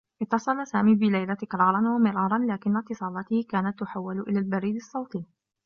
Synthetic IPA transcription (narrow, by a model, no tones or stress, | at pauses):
ʔɪt̪ːɑsˤɑlasaːmiːbɪlajlat̪ɪkɾˤɑːɾˤɑnwamɪɾˤɑːɾˤɑnlaːkɪnːat̪ːɨsˤɑːlɑt̪ɪhɪkaːnat̪ːʊħawːɪlʔɪlaːlbaɾiːd̪ɑsˤːɑwt̪i